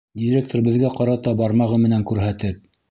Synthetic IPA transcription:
d̪ʲiɾʲek̚t̪oɾbɘ̆ðɡæqɑɾɑt̪ɑbɑɾmɑʁɤmɘ̆næŋkʉɾɦæt̪ɘp̚

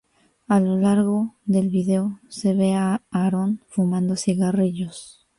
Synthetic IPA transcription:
alo̞laɾɣo̞ðe̞lβiðe̞ose̞βe̞aːɾo̞nfumãnd̪o̞siɣariʝo̞s

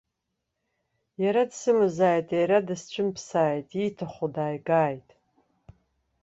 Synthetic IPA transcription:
jaɾadsɨmɨzaːjtʼejɾadɨst͡ɕʷʰʼʊmpʰsaːjtʼitʰaχʷodaːjɡaːjtʼ

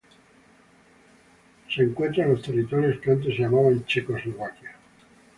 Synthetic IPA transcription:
seŋkwent̪ɾalost̪erːit̪ɔɾjospant̪̬eseamavaint͡ʃekozlovakja

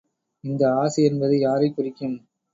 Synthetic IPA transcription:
ɪnd̪ɐaːsɪɛnbɐðɯjaːɾɐɪkːʊɾɪkʲːɯm

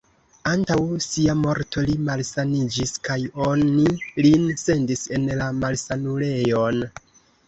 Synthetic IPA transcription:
antawsiamo̞ɾtʰo̞limalsanid͡ʒiskajo̞nilinse̞ndise̞nlamalsanule̞jo̞n

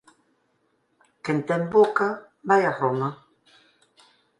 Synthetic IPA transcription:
kent̪ɛmboka | bajaɾɔma

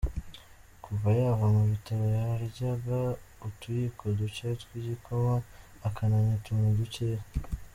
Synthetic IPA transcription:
kʰuvajavamuβitaβojahaɾiɟaɡautujikʰoducetwiɟikʰomaː | kʰanaɲatumuduceɾ

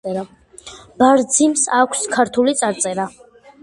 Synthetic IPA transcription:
b̥aɾd̪zimsakʷʰskʰaɾt̪ʰulit̪sʼaɾt̪sʼɛɾa

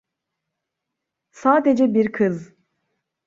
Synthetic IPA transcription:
saːd̪ed͡ʒɛbiɾkʰɯz

